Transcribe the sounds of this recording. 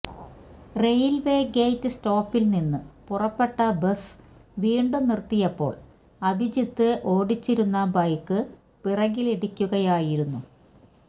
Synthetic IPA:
rejlʋe̞ːɡe̞jtːɨsto̞ːpːilninːɨpurɐpːe̞ʈːɐbɐsʋiːɳɖunirt̪ːijɐpːo̞̰ːɭ | ɐbʱid͡ʑit̪ːɨʔo̞ːɽit͡ɕːiɾunːɐbɐjkːɨ | pirɐɣileɽikʲːuɣɐjaːjiɾunːu

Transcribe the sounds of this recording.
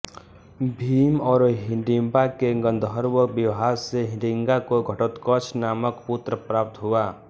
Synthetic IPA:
bʱiːmɔːɾɦɪ̃ɳɖĩmbakeɡə̃nd̪ʱɦəɾwəbɪʋɦaːɾseɦɪ̃ɳɖɪŋɡakoɡʱəʈət̪kɔt͡ʃʰnaːməkpʊt̪ɾəpɾaːp̚t̪ɦuaː

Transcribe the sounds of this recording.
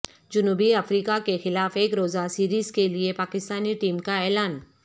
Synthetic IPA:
d͡ʒʊnuːbiɐfɾiːkakexɪlaːfeːkɾoːzasiːɾiːzkeliepaːkɪst̪aːniʈiːmkaɛːlaːn

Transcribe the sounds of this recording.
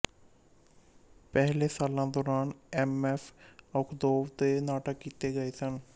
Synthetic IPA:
pɛɦleːsaːlãːd̪ɔːɾaːnɛːmɛːfʰəʊkʰd̪oːʋt̪eːnaːʈəkːiːt̪eːɡəeːsən

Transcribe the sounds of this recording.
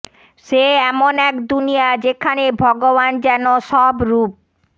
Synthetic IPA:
ʃeɛmonɛkd̪unijad͡ʑekʰanebʱɔɡoβand͡ʑɛnoʃɔbɾup̚

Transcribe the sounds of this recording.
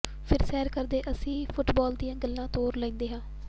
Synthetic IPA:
pʰɪɾsɛːɾkəɾd̪eːʔəsĩːpʰʊʈbɔːld̪ijãːɡəlːãːt̪oːɾlə̃ːnd̪eːɦãː

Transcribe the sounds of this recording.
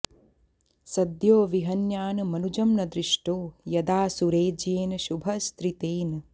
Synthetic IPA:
sɐd̪joːʋiɦɐnjaːnɐmɐnud͡ʒɐmnɐd̪ɾiʂʈoːjɐd̪aːsuɾeːd͡ʒeːnɐʃubʱɐst̪ɾit̪eːn

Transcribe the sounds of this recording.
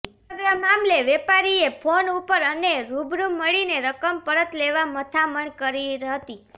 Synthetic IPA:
ɡɾamamleʋepaɾiepʰonupəɾəneɾubɾuməɭineɾəkəmpəɾət̪leʋamət̪ʰaməɳkəɾiɾɦət̪i

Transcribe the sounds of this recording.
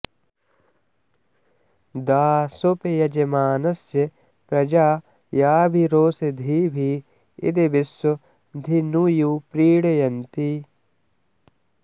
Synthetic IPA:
d̪aːsopejɐd͡ʒemaːnɐsje | pɾɐd͡ʒaː | jaːbʱiɾoːsed̪ʱiːbʱi | ḭd̪ebiso | d̪ʱinujuːpɾiːɽejɐnt̪i

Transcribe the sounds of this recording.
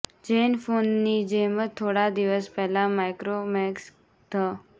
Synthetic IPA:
d͡ʒenfonːid͡ʒemət̪ʰːoɽad̪iʋəspɛɦlamajkɾomɛks | t̪ʰə

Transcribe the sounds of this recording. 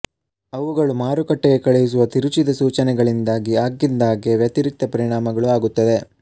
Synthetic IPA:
ɐʋuɡɐɭumaːɾukɐʈːɛɡe̞kɐɭɛjus̬uʋɐt̪iɾut͡ʃid̪ɐsuːt͡ʃɐnɛɡɐɭind̪aːɡiaːɡːind̪aːɡeʋjɐt̪iɾik̚t̪ɐpɐɾiɳaːmɐɡɐɭuaːɡut̪ːɐd̪e̞

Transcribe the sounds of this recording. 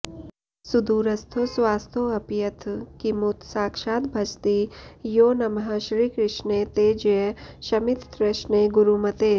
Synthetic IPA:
sud̪uːɾɐst̪ʰosʋaːst̪ʰoɐpjɐt̪ʰkimut̪saːkʃaːt̪bʱɐt͡ʃt̪ijoːnɐmɐɦaːʃɾiːkɾɪʃnet̪eːd͡ʒjeʃɐmɪt̪ɾɪʃɳeɡʊɾumɐt̪eː

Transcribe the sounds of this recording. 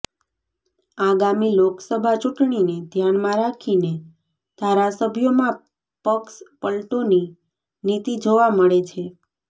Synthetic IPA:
aɡamiloksəbʱat͡ʃuʈɳined̪ʱjaɳmãɾakʰine | d̪ʱaɾasəbʱjomã | pəkspəlʈoni | nit̪id͡ʒoʋaməɭet͡ʃʰe

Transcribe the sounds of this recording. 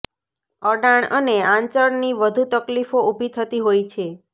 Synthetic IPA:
əɖaɳəneãɲt͡ʃəɳniʋəd̪ʱut̪əklifoubʱit̪ʰət̪iɦojt͡ʃʰe

